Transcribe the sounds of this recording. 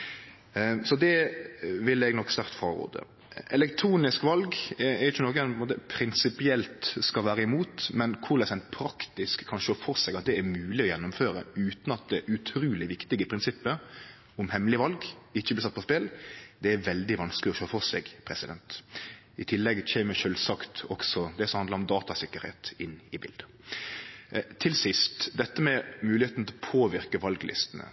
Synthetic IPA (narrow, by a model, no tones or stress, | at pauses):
sɔd̪ɛʋɪlɛɡnɔkːst̪ɑɾt̪fʁɑʁo̰ːd̪ə̰ | ʔɛlɛkt̪ʰɾuːnɪskʋɑlɡɛɾjʊçːənɔɾɡɛnpnmoːt̪əpʰɾɪnsɪpɪɛlt̪skɑʋæːɾəɪmuːt̪mɛnkʰʊɾlɛsɛnt̪pʰɾɑkt̪ɪskʰːɑnʃøːfɔsɛɡɑt̪̚d̪ɛæɾmʉːlɪɔjɛnːʊmføːɾə̰ʉːt̪n̩ɑt̪̚d̪ɛʔʉt̪ʰɾuːlɪʋɪkt̪ɪɡəpʰɾɪnsɪpːəɾ | ʊmhɛmlɪʋɑlɡɪçːəblɪsɑt̪̚ːpɔspeld̪ɛæɾʋɛld̪ɪʋɑnsklɪɔʃøːfɔsɛɡpʰɾɛsɪd̪ɛnt̪ | ɪt̪ʰɪlːɛɡçɛːməʃølsɑkt̪ɔ̰ksɔd̪ɛsɔmhɑnd̪əɾɔmd̪ɑːt̪ɑsɪkːəɾhḛːt̪ɪnːɪbɪ̰ld̪ə | t̪ʰɪlsɪst̪d̪ɛt̪ːəmɛmʉːlɪheːt̪n̩t̪ʰɪlɔpʰoːʋɪɾkəʋɑlɡlɪ̰st̪ənə̰